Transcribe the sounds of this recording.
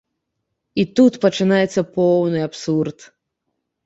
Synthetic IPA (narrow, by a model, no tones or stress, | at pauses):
it̪ut̪pɐt͡ʂɨnajɛt̪sːɐpɔwnɨjapsurt̪